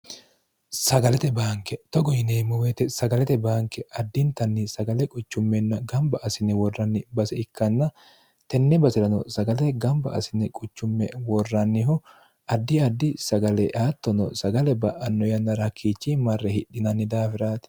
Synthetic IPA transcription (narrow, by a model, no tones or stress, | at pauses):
sɐɡɐlɛt̪ɛbaːŋkɛt̪ɔɡɔjɪneːmʊwet̪ɛsɐɡɐlɛt̪ɛbaːŋkɛɐd̪ːɪnt̪ɐnːɪsɐɡɐlɛkʼʊt͡ʃːʊmːɛnːɐɡɐmbɐʔɐsɪnːɛwɔrːɐnːɪbɐsɛɪkːɐnːɐ | t̪ɛnːɛbɐsɪɾɐnɔsɐɡɐlɛɡɐmbɐ̰ʔɐ̰sɪnɛkʼʊt͡ʃːʊmːɛwɔrːɐnːɪhɔ | ʔɐd̪ːɪɐd̪ːɪsɐɡɐlɛʔaːt̪ːɔnɔsɐɡɐlɛbɐʔɐnːɔjɐnːɐɾɐkʰːiːt͡ʃːimɐrːɛhɪɗːɪnɐnːɪd̪aːfɪɾaːt̪